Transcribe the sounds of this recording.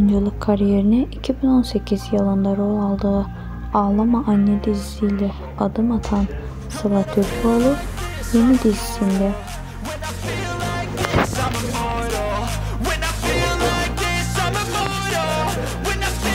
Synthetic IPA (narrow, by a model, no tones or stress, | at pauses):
nalˠɯkʰːaɾijeɾinɛicʰibino̞nse̞cʰizjalˠand̪aɾolˠalˠd̪ɯɯ | aːlˠamaʔanːed̪iziːlʲɛ | ad̪ɯmat̪ʰan | savat̪ʰøɾbualˠɯ | jenid̪izisind̪ɛ